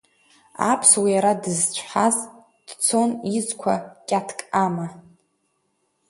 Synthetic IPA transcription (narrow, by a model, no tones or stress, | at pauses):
a̰pʰswijaɾadɨzt͡ɕʷʰħaz | d̥t͡sʰo̞nizkʷʰa̰kʲʼatʰkʼama